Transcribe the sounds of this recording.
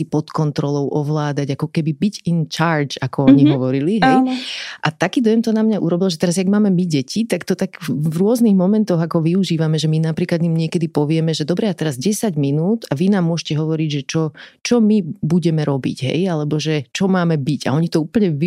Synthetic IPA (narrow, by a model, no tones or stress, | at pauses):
sipɔt̪kɔnt̪ɾɔlɔʊʔɔʋlaːd̪aɟakɔkɛbibiɟint͡ʃaːɾd͡ʒakɔɔɲiɦɔʋɔɾiliɦɛjʔat̪akiːd̪ɔjɛmt̪ɔnamɲaʔuɾɔbilʒɛt̪ɛɾazjaɡmaːmɛmiɟɛcʰit̪akt̪ɔt̪aɡvɾʊɔzniɣmɔmɛnt̪ɔɣakɔʋiuʒiːʋamɛʒɛminapɾiːklad̪ɲimɲɪɛkɛd̪ipɔʋɪɛmɛʒɛd̪ɔbɾɛat̪ɛɾazɟɛsaɟminuːd̪aʋinaːmːʊɔʃcɛɦɔʋɔɾiɟʒɛt͡ʃɔt͡ʃɔmibuɟɛmɛɾɔbḭɟɦɛ̰jalɛbɔʒɛt͡ʃɔmaːmɛbiɟa̰ɔɲit̪ɔuːpl̩ɲɛʋi